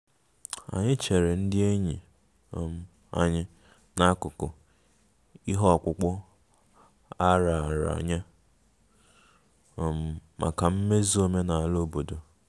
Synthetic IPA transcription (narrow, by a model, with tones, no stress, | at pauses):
a̰˨ɲɪ˦t͡ʃe˨ɾe˨n̩˦dɪ˦e˦ɲi˨ | o˨m̩˦ | a̰˨ɲɪ˦ | na˦kʊ˨kʊ˨ | i˦ɦɔ˦ɔ˨kʷʊ˨k͡pʊ˦ | a˦ɾa˨ɾa̰˨ɲa˦˨ | m̩˦ma̰˨ka˨m̩˦me˦zi˦o˦me˦na˨a˨lo˦˨bo˨do˨